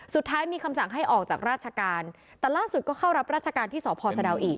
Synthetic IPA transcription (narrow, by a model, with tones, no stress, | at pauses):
su˨˩t̪ʰːaː˦˥jmiː˧kʰa˧msa˨˩ŋɦa˥˩jʔɔː˨˩k̚t͡ɕaː˨˩k̚ɾaː˥˩t̪̚t͡ɕʰa˧kaː˧n | t̪ɛː˨˩laː˥˩su˨˩kɔː˥˩kʰa˥˩wɾa˦˥p̚ɾaː˥˩t̪̚t͡ɕʰa˧kaː˧nt̪ʰiː˥˩sɔː˩˦pʰɔː˧sa˧da˧wʔiː˨˩k̚